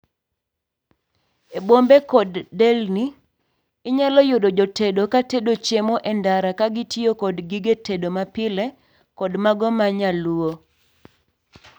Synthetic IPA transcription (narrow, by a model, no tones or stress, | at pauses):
ebombekɔdːɛlniː | ɲalɔjʊdod͡ʒɔtedokatedot͡ʃemɔʔɛndaɾakaɡɪtjokɔdɡiɡetedomapɪlɛ | kɔdmaɡɔmaɲaluo